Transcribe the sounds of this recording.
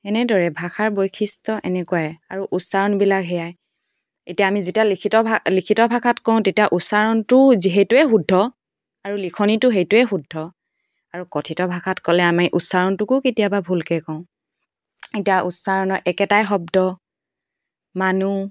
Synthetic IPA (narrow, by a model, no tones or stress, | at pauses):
ɛnɛdɔɹɛbʱaxʰaɹbojkʰistɔʔɛ̰nɛkuwajaɹuʔutsaɹɔnbilakɦɛjaj | etijaːmizitijalikʰitɔbʱlikʰitɔbʱakʰatkɔ̃ʊ̃tetiaʔutsaɹɔntʊziɦɛtʊɛxudʱːɔ | aɹulikʰɔnitʊɦejtʊɛxudʱːɔ | aɹukɔtʰitɔbʱakʰatkɔlɛamiʔutsaɹɔntʊkʊketijababʱulkɛkɔ̃ʊ̃ | etijaʔutsaɹɔnɔʔɛkɛtajxɔb̚dɔ | manu